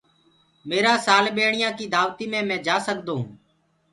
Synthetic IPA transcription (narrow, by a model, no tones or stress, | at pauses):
meːɾaːsaːlɓeːɳɪjãːkiːd̪aːʋt̪iːmẽːmɛ̃ːd͡ʒaːsəkd̪õːɦː